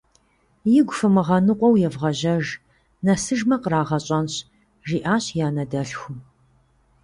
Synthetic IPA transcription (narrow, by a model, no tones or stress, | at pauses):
jɪɡʷfɨmɨʁɐnɨqʷʼɔwjɛvʁɐʑɐʒ | nɐsɨʒmɐqəɾaːʁɐɕʼɐnɕ | ʒiːʔaːɕjaːnɐdɐɬxʷʊm